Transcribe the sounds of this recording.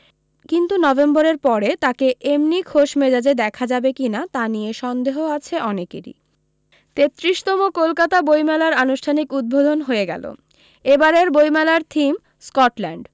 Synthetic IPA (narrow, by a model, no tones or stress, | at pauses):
kint̪unɔbemboɾeɾpɔɾet̪akeʔemnikʰoʃmed͡ʑad͡ʑed̪ɛkʰad͡ʑabekinat̪anijeʃɔnd̪eɦoat͡ɕʰeʔɔnekḛɾḭ | t̪et̪ːɾiʃt̪ɔmokolkat̪abojmɛlaɾanuʃʈʰanikud̪̚bod̪ʱonɦoeɡɛ̰lo̰ | ebaɾeɾbojmɛlaɾt̪ʰim | skɔʈlɛɳɖ